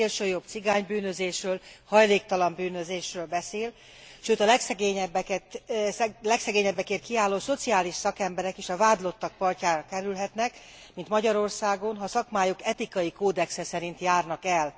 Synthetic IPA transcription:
elʃøjobt̪siɡaːɲbyːnø̞zeːʃrøːlhɒjleːkt̪ɒlɒmbyːnøzeːʃrøːlbɛseːl | ʃøːt̪ɒlɛksɛɡeːɲɛbːɛkɛt̪slɛksɛɡeːɲɛbːɛkeːrkiaːlːoːso̞t̪siaːliʃsɒkɛmbɛɾɛkiʃɒvaːd̪lo̞t̪ːɒk̚pɒrcaːɾɒkɛɾylɦɛt̪nɛk | mint̪mɒɟɒɾo̞rsaːɡo̞nɦɒsɒkmaːjokɛt̪ikɒjikoːd̪ɛksɛsɛɾint̪jaːrnɒkɛl

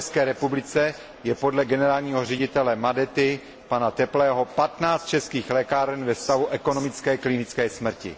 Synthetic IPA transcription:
ɛskɛːɾɛpublɪt͡sɛ | jɛpo̞dlɛɡɛnɛɾaːlɲiːɦorɛɟɪt̪ɛlɛmadɛt̪ɪ | panat̪ɛplɛːɦo̞pat̪naːt͡st̪̚t͡ʃɛskiːxlɛkaɾɛnvɛst̪avuʔɛko̞no̞mɪt͡skɛːklɪnɪt͡skɛːsmr̩cɪ̰

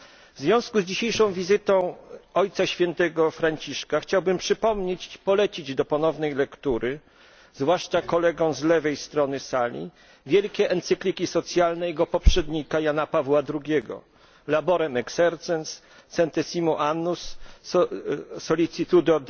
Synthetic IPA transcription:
vzvʲjɔ̃w̃skuzd͡ʑiɕejʂɔ̃w̃vʲizɘt̪ɔ̃w̃ɔjt̪saɕfʲjɛnt̪ɛɡɔfɾaɲt͡ɕiʂkaxt͡ɕawbɘmpʂɘpɔmɲet͡ɕpɔlɛt͡ɕid͡ʑd̪ɔpɔnɔvnɛjlɛkt̪uɾɘ | zvwaʂt͡ʂakɔlɛɡɔ̃w̃zlɛvɛjst̪ɾɔnɘsalʲḭ | vʲjɛlkʲɛʔɛnt̪sɘklʲikʲisɔt̪sʲjalnɛjɛɡɔpɔpʂɛd̪ɲikajanapavwad̪ɾuɡʲɛɡɔ̰ | labɔɾɛmɛksɛɾt̪sɛns | sɛnt̪ɛsʲimuʔanːus | sɔlʲit̪sit̪ud̪ɔd̪

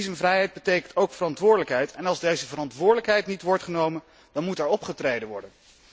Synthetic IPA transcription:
izənvrɛjɦɛjd̚bətejkəntowkfərɑntʋʊːɹdələkɦɛjtɛnɑlˠzdejzəvəɾɑntʋʊːɹdələkɦɛjtnitʋɔɹtχənowmən | d̥ɑnmutɛɹɔpχətrejdənʋɔ̰ɹdən

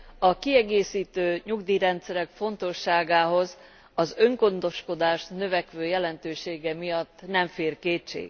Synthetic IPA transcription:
ɒkiɛɡeːsiːt̪øːɲuɡd̪iːɾɛnt̪sɛɾɛkfo̞nt̪o̞ʃːaːɡaːɦo̞z | ɒzø̞ŋɡo̞nd̪o̞ʃko̞d̪aːʃnø̞vɛkʋøːjɛlɛnt̪øːʃeːɡɛmijɒt̪ːnɛɱfeːrkeːt͡ʃḛːɡ

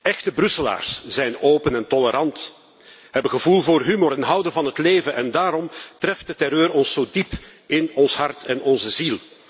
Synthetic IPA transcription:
ɛxtəbrɵsəla̰ːrsz̥ɛjnoːpənɛntɔləɾɑnt | ɦɛbəɣəvulˠvoːrɦymoɾɛnɦʌwdənvɑnɦətleːvənʔɛndaːɾɔmtrɛft̚dətɛɾøːɾɔnsoːdipɪnɔnsɦɑrtɛnɔnzəzilˠ

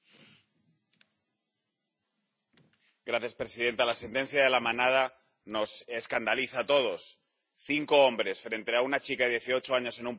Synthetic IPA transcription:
ɡɾaθjaspɾe̞siðe̞nt̪alase̞nt̪e̞n̟θjaðe̞lamãnað̞a | no̞se̞skand̪aliθat̪o̞ð̞o̞s | θiŋko̞ombɾe̞sfɾe̞nt̪e̞aunat͡ʃikaðe̞ðje̞θio̞t͡ʃoaɲo̞se̞nũmp

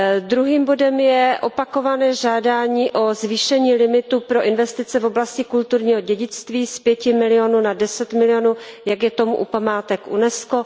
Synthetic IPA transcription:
d̪ɾuɦiːmbo̞dɛmjɛʔo̞pakovanɛːʒaːdaːɲiːʔo̞zviːʃɛɲiːlɪmɪt̪upɾo̞ʔɪnvɛst̪ɪt͡sɛvoblascɪkult̪uɾɲiːɦoɟɛɟɪt͡st̪viːspjɛcɪmɪlɪjonunadɛsɛt̪mɪlɪjonujaɡjɛt̪o̞muʔupamaːt̪ɛkʔṵnɛsko

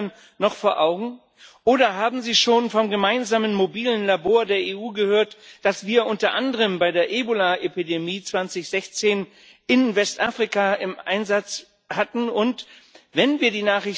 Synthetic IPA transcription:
n | nɔχfoːɐʔaʊɡŋ̩ | ʔoːɾɐɦaːbm̩ziːʃoːnfɔmɡəmaɪnzaːmənmobiːlənlaboːɐdeːɐeːʔuːɡəhøːɐtd̥asv̥iːɐʔʊntɐʔandəʁəmbaɪdeːɐʔeːbolaʔepidemiːt͡sv̥ant͡sɪçz̥ɛçt͡seːn | ʔɪnvɛstʔaːfʁ̥ikaɪmʔa̰ɪnzat͡s | hatn̩ʊntvɛnviːɐdiːnaːχʁɪç

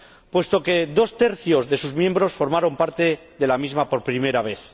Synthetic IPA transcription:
pwe̞st̪o̞ke̞ðo̞st̪e̞ɾθjo̞zðe̞suzmjẽ̞mbɾo̞sfo̞ɾmaɾo̞mpaɾt̪e̞ | ðe̞lamizmapo̞ɾpɾime̞ɾaβ̞e̞θ

